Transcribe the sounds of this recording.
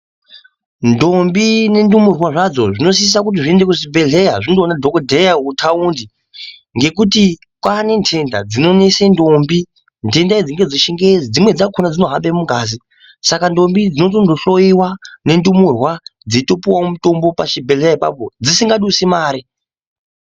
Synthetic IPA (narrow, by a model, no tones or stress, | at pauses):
ndo̞mbine̞ndumurwaʐad͡zo̞ʐino̞s̬iis̬ak̬ut̬iʐie̞ndekuʐibʱe̞ɮejaʐindonadʱokodʱejautʰaundi | ŋɡe̞k̬uti | kwane̞ntʰe̞nda̰d͡zino̞ne̞sendombi | ntʰe̞ndaid͡ziŋɡe̞d͡ziʃiŋɡed͡zd͡zimwe̞d͡zakʰonad͡zino̞ɦaɓemuɡʱaːzi | sakando̞mbid͡zino̞tondoɬo̞iwane̞ndumurwad͡zito̞piwamuto̞mbo̞paʃibʱelejaipa̰pod͡zisiŋɡaɗusimaːɾi